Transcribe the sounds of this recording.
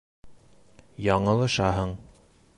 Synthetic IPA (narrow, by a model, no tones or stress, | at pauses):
jɑɴɤ̆lˠɤ̆ʃɑɦɤɴ